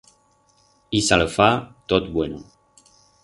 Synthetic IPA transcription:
isaləfat̪ɔt̪bwenṵ̃

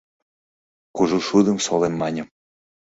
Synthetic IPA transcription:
kuʒuʃud̪ə̆msolemːɑnʲə̆m

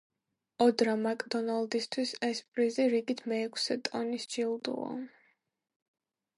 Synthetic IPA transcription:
ɔd̪ɾamakʼd̪ɔnalˠd̪ist̪ʰwisɛspʼɾiziɾiɡit̪ʰmɛːkʰsɛt̪ʼɔnisd͡ʒilˠd̪ṵɔ̰

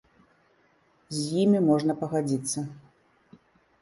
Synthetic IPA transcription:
zʲjimʲimɔʐnɐpɐɣad͡zʲit̪sːɐ

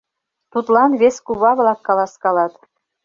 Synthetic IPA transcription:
t̪ut̪lˠɑnβʲeskuβɑβlˠɑkːɑlˠɑskɑlɑt̪

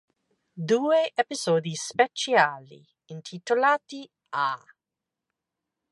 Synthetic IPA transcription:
d̪uːeʔepizɔːd̪ispet͡ʃjaːlḭː | nt̪ʰit̪olaːt̪i | a

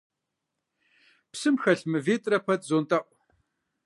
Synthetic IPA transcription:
psɨmxɐɬmɨveːtʼrɐpʰɐtʰʼzoːntʼɐʔʷ

